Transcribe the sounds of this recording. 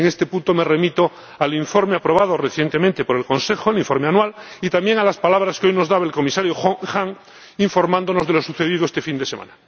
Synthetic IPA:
eŋest̪e̞punt̪o̞me̞re̞mit̪o | aliɱfoɾmeapɾo̞β̞að̞oreθje̞nt̪emẽnt̪e̞poɾe̞lkonsexoeliɱfoɾmeanwalit̪amje̞ŋalaspalaβ̞ɾaskeojnozðaβaelko̞misaɾjoxxaŋ | iɱfo̞ɾmãnd̪ono̞zðe̞lo̞suθe̞ð̞iðoest̪e̞find̪e̞semã̰na

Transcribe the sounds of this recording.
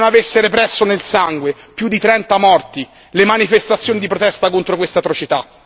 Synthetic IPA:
navesːeɾepɾɛsːonelsaŋɡwe | pjud̪ːit̪ɾɛnt̪amɔrt̪i | lemanifest̪at̪sːjoːnid̪ipɾot̪ɛst̪akont̪ɾokwest̪at̪ɾot͡ʃit̪a

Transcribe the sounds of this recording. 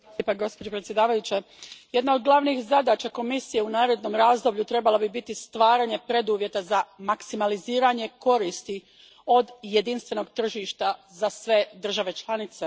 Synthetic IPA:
paɡo̞spo̞d͡ʒo̞pɾet̪sjd̪aːʋajut͡ɕe | jed̪naod̪̚ɡlˠaʋnixzad̪aːt͡ʃako̞misije̞unaːɾe̞d̪no̞mɾaːzd̪o̞bʎut̪ɾe̞balˠabibit̪ist̪ʋaːɾaɲe̞pɾe̞d̪uːʋje̞t̪azamaksimaliziːɾaɲe̞ko̞ɾiːst̪i | o̞d̪je̞d̪inst̪ʋe̞no̞ɡt̪r̩ʒiʃt̪azasʋe̞d̪r̩ʒaʋe̞t͡ʃlˠanit̪se

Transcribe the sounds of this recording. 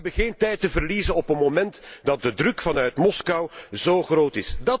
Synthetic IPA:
bəɣeːntɛjtəvərliːzənɔpənmomɛntdɑt̚dədrɵkfɑnœɥtmɔskɑwzoːɣroːtɪsdɑ

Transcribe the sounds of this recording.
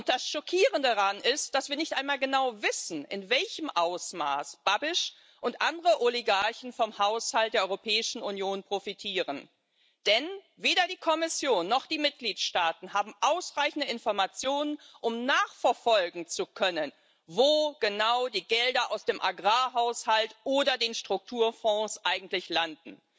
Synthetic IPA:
ʊnt̚d̥asʃɔkʰiːʁəndaʁanɪst̚d̥asv̥iːɐnɪçtʔaɪnmaːlɡənaʊvɪsn̩ʔɪ̰nvɛlçəmʔaʊsma̰ːsb̥abɪʃ | ʔʊntʔandəʁəʔoliɡaɐçn̩fɔmhaʊshalt̚d̥eːɐɔʏʁopʰɛːɪʃn̩unjoːnpʁ̥ofitʰiːʁən | d̥ɛn | veːdɐdiːkʰɔmɪsjoːnːɔχd̥iːmɪt̚ɡ̥liːtʃtaːtn̩ɦaːbm̩ʔaʊsʁaɪçn̩dəɪnfɔɐmat͡sjoːnən | ʔʊmnaːχfɛɐfɔlɡŋ̩t͡sukʰœnən | voːɡ̥ənaʊdiːɡɛldɐʔaʊsd̥eːmʔaɡʁaːɦaʊshaltʔoːdɐdeːnʃtʁ̥ʊk̚tʰuːɐfɔ̃ːsʔaɪɡŋ̩tlɪçlandn̩

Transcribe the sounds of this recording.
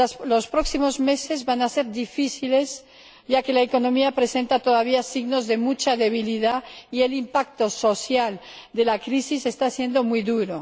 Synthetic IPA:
lo̞spɾo̞ksimo̞zme̞se̞zβanase̞ɾðifiθile̞z | ʝake̞laeko̞nõ̞miapɾe̞se̞nt̪at̪oðaβ̞iasiɣno̞zðe̞mut͡ʃaðe̞β̞iliðaie̞limpak̚t̪oso̞θjal | d̪e̞lakɾisise̞st̪asje̞nd̪o̞mwujðuɾo

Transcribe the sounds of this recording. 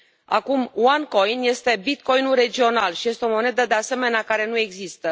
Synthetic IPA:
a̰kumwaŋko̞jnje̞st̪e̞bit̪ko̞jnulre̞d͡ʒio̞nalʃije̞st̪eo̞mo̞ne̞d̪əd̪e̞ase̞me̞neakaɾe̞nue̞ɡzist̪ə

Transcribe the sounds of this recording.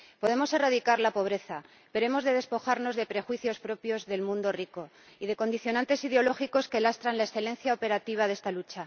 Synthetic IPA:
po̞ðe̞mo̞se̞raðikaɾlapo̞β̞ɾe̞θa | peɾoemo̞zðe̞ðe̞spo̞xaɾno̞zðe̞pɾe̞xwiθjo̞spɾo̞pjo̞zðe̞lmũnd̪o̞riko̞ | iðe̞ko̞nd̪iθjo̞nãnt̪e̞siðeo̞lo̞xiko̞ske̞last̪ɾanlaesθele̞nθjaope̞ɾat̪iβ̞aðe̞st̪alut͡ʃa

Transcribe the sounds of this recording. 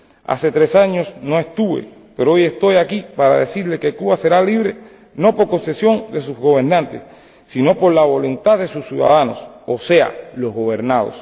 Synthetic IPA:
a̰se̞t̪ɾe̞saɲo̞sno̞e̞st̪uβe̞̰ | pe̞ɾoo̞jest̪o̞jakipaɾa̰ðesiɾle̞ke̞kuβase̞ɾaliβɾe̞ | no̞po̞ɾko̞nse̞sjo̞ŋd̪e̞suzɣo̞βe̞ɾnãnt̪esː | ino̞po̞ɾlaβo̞lunt̪aðe̞susjuða̰ðano̞̰sose̞a̰lo̞zɣo̞βe̞ɾnað̞o̞̰s

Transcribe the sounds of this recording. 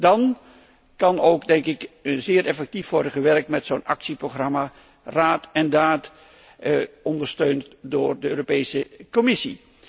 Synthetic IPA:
dɑn | kɑnowkdɛŋkɪkzɪːɾʔɛfɛk̚tifʋɔɹdəχəʋɛrk̚tmɛtsownɑ̰ksiproχrɑma | raːtɛndaːt | ɔndəɹstøɥntdʊːɹdəøːropejsəkɔmɪsḭ

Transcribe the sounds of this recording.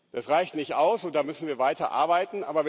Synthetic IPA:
d̥asʁ̥aɪçtnɪçtʔaʊsʊnt̚d̥aːmʏsn̩viːɐvaɪtɐ̰ʔa̰ɐbaɪtn̩ʔa̰ːbɐv

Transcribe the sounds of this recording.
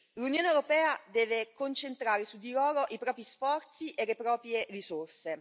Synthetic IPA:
lunjoːnewɾopɛːad̪ɛːvekont͡ʃent̪ɾaːɾesud̪ːiloːɾoʔipɾɔːpɾisfɔrt̪siʔelːepɾɔːpɾjerisorse

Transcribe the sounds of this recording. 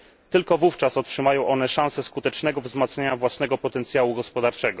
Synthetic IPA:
t̪ɘlkɔvuft͡ʂasɔtʂɘmajɔ̃w̃ʔɔnɛʂañsɛskut̪ɛt͡ʂnɛɡɔvzmat̪sɲeɲavwasnɛɡɔpɔt̪ɛnt̪sʲjawuɡɔspɔd̪aɾt͡ʂɛɡɔ

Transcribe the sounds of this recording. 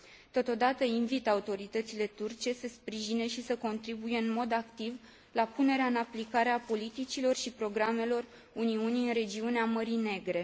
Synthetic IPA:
t̪o̞t̪o̞d̪at̪əinvit̪aut̪o̞ɾit̪ət̪sile̞t̪urt͡ʃe̞səspɾiʒine̞ʃisəko̞nt̪ɾibuje̞ɨnmo̞d̪akt̪iv | lapune̞ɾeaɨnaplikaɾeapo̞lit̪it͡ʃilo̞rʃipɾo̞ɡɾame̞lo̞r | uniuniɨnre̞d͡ʒiuneaməɾine̞ɡɾe̞

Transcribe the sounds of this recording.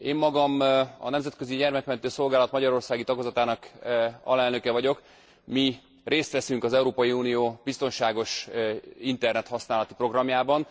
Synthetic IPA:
eːmːɒɡɒmɒ̰nɛmzɛt̪kø̞ziɟɛrmɛkmɛnt̪øːso̞lɡaːlɒt̪mɒɟɒɾo̞rsaːɡit̪ɒɡzɒt̪aːnɒkɒ̰lɛlnø̞kɛvɒɟo̞k | mi | reːst̪ʋɛsyŋkɒzɛuɾoːpɒjiuːnijoːbist̪o̞nʃaːɡo̞ʃ | int̪ɛrnɛt̪hɒsnaːlɒt̪ipro̞ɡrɒmjaːbɒn

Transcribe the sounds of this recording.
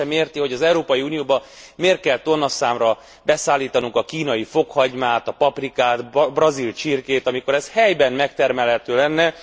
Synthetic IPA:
ɛmeːrt̪iho̞ɟɒzɛuɾoːpɒjiuːnijoːbɒ | meːrt̪̚kɛlt̪o̞nːɒsaːmrɒ | bɛsaːlːiːt̪ɒnuŋkɒkiːnɒjifo̞khɒɟmaːt̪ɒpɒprikaːt̪brɒzilt͡ʃirkeːt̪ɒmiko̞ɾɛshɛjbɛnmɛkt̪ɛrmɛlɦɛt̪øːlɛnːɛ

